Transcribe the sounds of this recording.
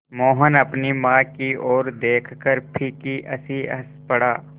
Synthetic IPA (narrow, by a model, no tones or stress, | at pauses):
moːɦənɐpnimãːkiʔoːɾd̪eːkʰkəɾpʰikiʔɐ̰siɐ̰spɐɽaː